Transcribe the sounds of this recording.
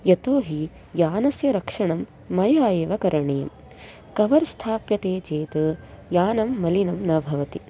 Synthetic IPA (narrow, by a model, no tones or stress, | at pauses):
jɐt̪oːɦi | jaːnɐsjɐɾɐkʂɐɳɐmː | ɐjaːjeːʋɐkɐɾɐɳejɐ̰m | kɐʋɐɾst̪ʰaːpjɐt̪eːt͡ʃeːt̪ɐ | jaːnɐmːɐlinɐmnɐbʱɐʋɐt̪i